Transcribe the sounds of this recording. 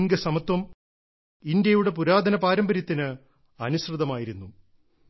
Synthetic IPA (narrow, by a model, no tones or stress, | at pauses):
ŋɡɐsɐmɐt̪wɐm | ind̪jɐjuɽe̞p̬uɾaːd̪ʱɐnɐpaːɾɐmbɐɾjɐt̪ːinɨ | ɐnusrɨðɐmaːjiɾunːu